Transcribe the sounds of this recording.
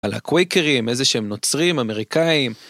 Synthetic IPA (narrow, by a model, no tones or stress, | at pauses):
ala̰kwejkeʁimezeʃeemno̞t͡sʁimame̞ʁikaim